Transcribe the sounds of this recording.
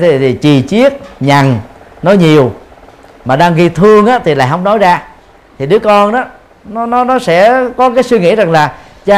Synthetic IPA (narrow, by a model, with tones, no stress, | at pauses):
t̪ʰi˨˩t̪ʰi˨˩t͡ɕi˨˩t͡ɕi˦˥ət̚ɲa˨˩ŋnɔ˨˦jɲi˨˩əw | maː˨˩ɗaː˧ŋɣi˧t̪ʰɨ˧əŋʔaː˨˦˥t̪ʰi˨˩la̰ː˧˨jɦə˧˦wŋ͡mnɔ˨˦jzaː˧ | t̪ʰi˨˩ɗɨ˨˦əkɔ˧nʔaː˨˦ | nɔ˨˦nɔ˨˦nɔ˨˦sɛ̰˧˥kɔ˨˦kaː˨˦jswi˧ŋḭ˧˥za˨˩ŋlaː˨˩ | t͡ɕaː˧